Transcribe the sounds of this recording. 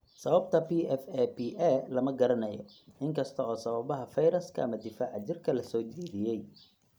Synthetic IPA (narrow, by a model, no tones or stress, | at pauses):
sɐβɐbt̪ʰɐpiːɛfɛbiʔɛlɐmɐɡɐɾɐnɐjɔ | ɪŋkʰɐst̪ʰɐɔːsɐβɐβɐɦɐfɐjɾɐskʰɐ̰ɐmɐd̪ɪfaːʕɑt͡ʃɪrkʰɐlɐsɔːt͡ʃɛːðɪjɛj